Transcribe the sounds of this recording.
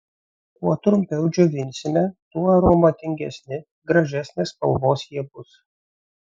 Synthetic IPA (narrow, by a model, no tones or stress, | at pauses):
kuɔt̪ɾʊmʲpʲɛʊd͡ʒʲoʋʲɪnʲsʲɪnʲɛt̪uɔɐɾomɐt̪ʲɪŋʲɡʲɛ̰sʲnʲɪ | ɡɾɐʒʲæsʲnʲeːspɐ̰lˠboːsjiɛbʊs